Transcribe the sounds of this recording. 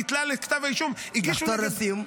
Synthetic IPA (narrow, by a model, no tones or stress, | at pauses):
it̪lalekt̪avajʃumiɡiʃɔɾɐsim